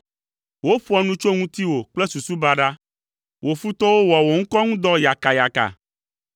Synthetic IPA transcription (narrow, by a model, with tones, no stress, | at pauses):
wo˦ɸu˦a˦˨nũ˦t͡ʃo˦ŋũ˦t̪i˦wo˨k͡plɛ˦su˨su˦ba˦ɖa˦ | wo˨fu˦t̪ɔ˦wo˦wɔ˨wo˨ŋ̩̃˦kɔ˦ŋũ˦d̪ɔ˦ja˨ka˨ja˨ka̰˨